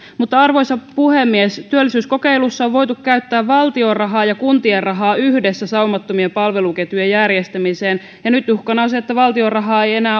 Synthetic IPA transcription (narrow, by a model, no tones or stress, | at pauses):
mut̪ːɑɑrʋo̞jsɑpuhemːiest̪yølːisyːsko̞keilusːɑoʋʋo̞jt̪ukkæyt̪ːæːʋʋɑlt̪io̞rrɑɦɑːjɑkunt̪ierrɑɦɑːyhdesːæsɑumɑt̪ːomiempɑlʋeluket̪yjejærjest̪æmiseːn | jɑnyt̪juhkɑnɑosiet̪ːæʋɑlt̪io̞rɑɦɑːeje̞næː